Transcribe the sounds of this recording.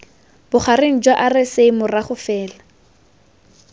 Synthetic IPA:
b̥ʊχareŋ̩d͡ʒwaʔarɪsemʊraχʊfɛːla

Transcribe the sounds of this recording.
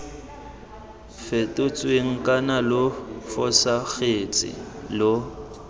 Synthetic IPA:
fetʼʊt͡sʼweŋ̩kʼanalʊfɔsaɣet͡sʼɪ̰lo

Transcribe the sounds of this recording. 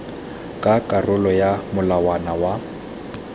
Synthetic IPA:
kʼakʼarʊlɔjamʊlawanawa

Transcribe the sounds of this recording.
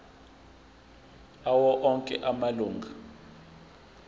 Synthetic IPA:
awɔʔɔŋkʼɛ̰ʔamaluːŋɡʱa

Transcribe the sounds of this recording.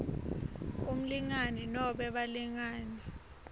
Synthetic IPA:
um̩liŋaninɔɓɛɓaliŋaːni

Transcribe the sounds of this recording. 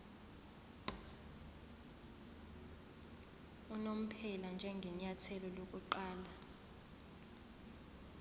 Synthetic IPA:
unom̩pʰɛland͡ʒʱɛŋɡʱɛɲatʰɛlɔlok̬ʼuǃaːla

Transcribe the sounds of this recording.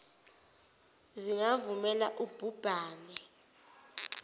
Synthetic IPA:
ziŋavumɛlaʔub̥ʱub̥ʱaːnɛ

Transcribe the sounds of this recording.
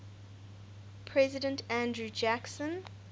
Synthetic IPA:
pʰɹɛzɪdə̃ntʰæ̃ndɹud͡ʒæksə̃n

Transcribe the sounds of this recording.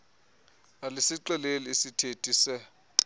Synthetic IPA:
alɪsiǃɛleliisitʰetʼisɛ

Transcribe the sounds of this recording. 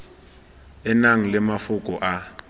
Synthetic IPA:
ɪnaŋ̩lɪmafʊkʼɔʔa

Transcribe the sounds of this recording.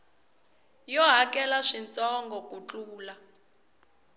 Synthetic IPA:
jɔɦakɛlaʂint͡sʼɔŋɡɔkut͡ɬuːla

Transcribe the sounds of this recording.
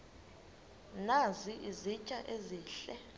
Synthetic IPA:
naziʔizit͡ʃʼaʔeziːɬɛ

